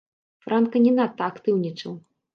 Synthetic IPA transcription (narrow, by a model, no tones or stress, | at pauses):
fɾankɐnʲɛnat̪ːɐakt̪ɨwnʲit͡ʂɐw